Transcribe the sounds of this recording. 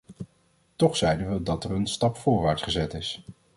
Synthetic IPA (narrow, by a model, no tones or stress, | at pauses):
tɔχsɛjdənʋədɑtɛrənstɑpfʊːɹʋaːɹtsχəzɛtɪs